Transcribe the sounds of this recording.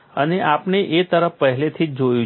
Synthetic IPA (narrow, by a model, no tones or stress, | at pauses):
əneʔapneʔet̪əɾəfpəɦlet̪ʰid͡ʒojũ